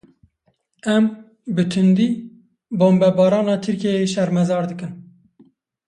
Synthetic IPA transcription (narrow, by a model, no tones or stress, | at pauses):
ɛm | bɨt̪ʰɨnd̪iː | boːmbɛbɑːɾɑːnɑːt̪ʰɨɾkejeʃɛɾmɛzɑːɾd̪ɨkɨn